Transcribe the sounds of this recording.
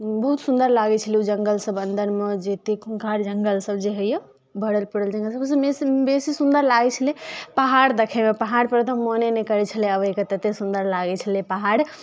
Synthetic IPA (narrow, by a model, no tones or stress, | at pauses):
bəɦut̪sund̪əɾlaɡɛt͡ʃʰəliud͡ʒəŋɡəlsəbənd̪ʱəɾmed͡ʒet̪ekʰuŋkʰaɾd͡ʒəŋɡəlsəb̚d͡ʒeɦəjə̃ | bəɽəlpəɽəld͡ʒəŋɡəlsəbs̬ə̃mesbesisund̪əɾlaɡɛt͡ʃʰəlipaɦaɽd̪əkʰemepaɦaɾpəɾət̪əmːonenɛkəɾɛt͡ʃʰəliəbəiket̪ət̪esund̪əɾlaɡɛt͡ʃʰəlipaɦaɽ